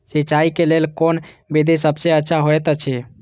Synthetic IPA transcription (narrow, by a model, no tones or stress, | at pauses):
sit͡ʃaikelelkon | bid̪isəbseətːʃʰaɦoɛt̪ət͡ʃʰɛ